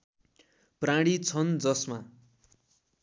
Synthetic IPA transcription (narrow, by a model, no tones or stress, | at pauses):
prãɽit͡sʰʌnd͡zʌsma